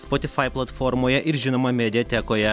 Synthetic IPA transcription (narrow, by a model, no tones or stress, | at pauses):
spɔt̪ʲɪfɑɪplˠɐt̪fɔɾmoːjɛʔɪɾʒʲɪnoːmɐmʲɛd̪ʲɪjɛt̪ʲæːkoːjɛ